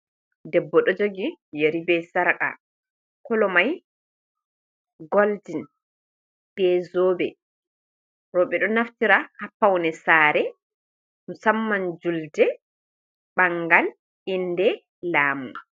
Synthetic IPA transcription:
dɛbːɔɗɔd͡ʒoɡijeɾibɛsaɾka̰ | kɔlɔmaj | ɡɔld͡ʒin | b̥ɛzoːbɛ | ɾɔɓɛɗɔnaftiɾahapːawnɛsaːɾɛ | nusamːand͡ʒuldɛ | ɓaŋɡal | indɛ | laːmu

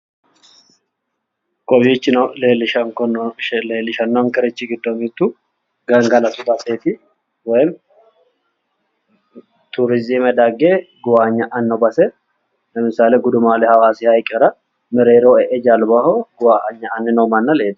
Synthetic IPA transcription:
kʼɔbiːt͡ʃːɪnleːlɪʃɐŋkɔnleːlɪʃɐnːɔŋkɛɾɛt͡ʃːiɡɪd̪ːomɪt̪ːu | ɡɐŋɡɐlɐt̪ʊbɐseːt̪ɪ | wɔjɪm | t̪uɾɪzimɛd̪aɡeːɡʊwaːɲːɐʔɐnːobɐsɛ | lɐmɪsaːleɡʊd̪ʊmaːlɛhɐwaːsihɐjkʼɛɾɐ | mɪɾeːɾoɛʔɛd͡ʒalbahoɡʊwaːʔɐɲːɐʔɐnːɪnomɐnːɐleːl

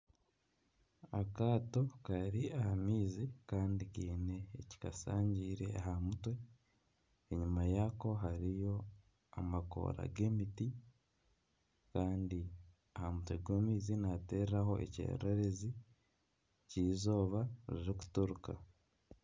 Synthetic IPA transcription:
akaːto̞kaɾiahamiːzikaːndikiːne̞ːci̥kasaːɲɟiːɾeaɦamutwe̞ | eɲumajako̞ɦaɾijo̞ | amako̰ɾa̰ɡe̞ːmiti | kaːndi | ahamutweɡoːmiːzinate̞ːɾɾaho̞ʔḛcḛɾeɾezi | ciːzo̞ːβaɾiɾiku̥tuɾuka̰

